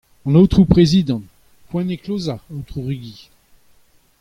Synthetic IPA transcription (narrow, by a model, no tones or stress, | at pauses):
ɑ̃not̪χupχezid̪ɑ̃n | pwɛ̃neklozaot̪χuʁiɡi